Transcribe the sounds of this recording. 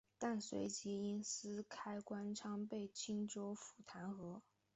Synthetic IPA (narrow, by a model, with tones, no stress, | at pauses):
t̪a˥˩nswḛ˧˥ɪt͡ɕi˧˥i˥nsɹ̩˥kʰa˥ɪkwa˥nʈ͡ʂʰɑ˥ŋpe˥˩ɪt͡ɕʰi˥ŋʈ͡ʂo˥ʊfu˨˩t̪ʰa˧˥nxɤ˧˥